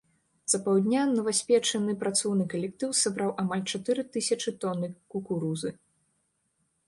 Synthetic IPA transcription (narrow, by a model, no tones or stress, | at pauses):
z̥ɐpawd̪ʲnʲanɐvasʲpʲɛt͡ʂɐnɨpɾat̪sɔwnɨkɐlʲɛk̚t̪ɨwsabɾawʔamalʲt͡ʂat̪ɨɾɨt̪ɨsʲɐt͡ʂɨt̪ɔnɨkukuɾuzɨ